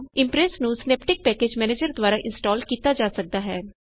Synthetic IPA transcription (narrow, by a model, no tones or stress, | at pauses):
ɪmpɾesnũːsneːpʈɪk̚pɛːkeːd͡ʒmɛːneːd͡ʒəɾd̪waːɾaːʔɪnsʈaːlkiːt̪aːd͡ʒaːsək̚d̪aːɦɛː